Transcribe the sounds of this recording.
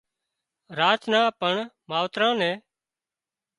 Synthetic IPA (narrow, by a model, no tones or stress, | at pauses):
ɾaːt͡ʃnãːpəɳmaːʋt̪ɾãːnɛ̃ː